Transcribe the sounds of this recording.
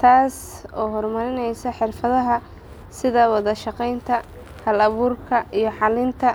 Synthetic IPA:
t̪ʰaːsɔːɦɔrmɐɾɪnɛjsɐħɪrfɐðɐɦɐ | sɪðɐwɑðɐʃɑqɛjnt̪ʰɐ | hɐlɐβuːrkʰɐʔijɞħɑlɪnt̪ʰɐ

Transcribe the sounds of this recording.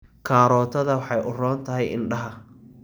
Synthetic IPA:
kʰaːɾɔːt̪ʰɐðɐwɑħɑjʔʊrɔːnt̪ʰɐɦɛjɪ̰nɖɐɦɐ

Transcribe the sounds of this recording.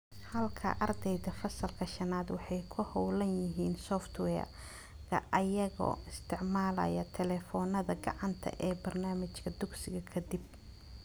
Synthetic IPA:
hɐlkʰɐ̰ʔɐrd̪ɛjðɐfɐsɐlkʰɐʃɐnaːd̪wɑħɑjkʰʊhɔwlɐnjɪɦiːnsɔft̪wɛːr | kʰɐ̰ʔɐjɐɣɔ̰ːɪst̪ʰɪʕmaːlɐ̰jɐt̪ʰɛlɛːfɔːnɐðɐɡɑ̰ʕɑnt̪ʰɐ̰ʔɛːbɐrnaːmɪt͡ʃkʰɐd̪ʊɡsɪɣɐkʰɐd̪ɪb̚

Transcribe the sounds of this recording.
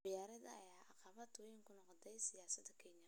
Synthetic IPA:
ɪjaːɾɐðɐ̰ɐ̰jaːʔɑqɑβɐt̪ʰwɔjɪŋkʰʊnɔqd̪ɛjsɪjaːsɐd̪ɐkʰɛɲɐ

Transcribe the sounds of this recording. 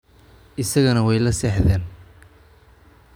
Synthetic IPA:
ʔɪsɐɣɐnɐwɛjlɐsɛːħðɛːn

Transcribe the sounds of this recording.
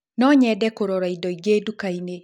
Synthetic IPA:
nɔɲɛdɛkoɾɔɾaidɔiɡeːdukaine

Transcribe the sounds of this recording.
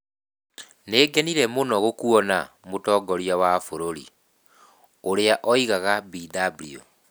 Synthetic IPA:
neːɡɛniɾɛmonɔɣokuɔna | motɔɡɔɾiawafoɾoɾḭ | oɾeaʔɔiɣaɣabidablio̰

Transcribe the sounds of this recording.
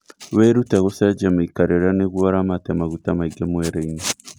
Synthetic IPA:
weɾutaɣosad͡ʒamaikaɾeɾaneɣuaɾamatemaɣutamaiɡemweɾeiɲe

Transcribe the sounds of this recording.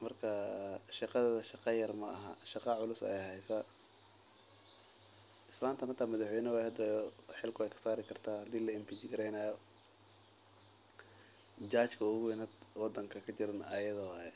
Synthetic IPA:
mɐrkʰɐʃɑqɑðːðɐʃɑqɑjɐrmɐʔɐ̰ɦɐ̰ʃɑqɑʕʊlʊsɛ̰ɛjhɛjsɐ | ɪslaːmt̪ʰɐnɐt̪ʰamɐðɑħwɛjnɐwaːjhɐd̪ɐħɪlkʰʊɛjkʰɐ̥saːɾɪkʰɐrt̪ʰaːhɐd̪iːlɐɪmpit͡ʃɪɡɐɾɛjnaːjɔ | d͡ʒaːt͡ʃkʰɐʊɣʊwɛnɐd̪wɑd̪ːɐŋkʰɐkʰɐt͡ʃɪɾɐnaːjɐðɐwɑːjɛ

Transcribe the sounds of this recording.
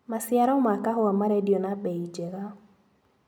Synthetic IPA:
masjaɾɔmakaɦʊamaɾɛdionabɛid͡ʒɛɣa

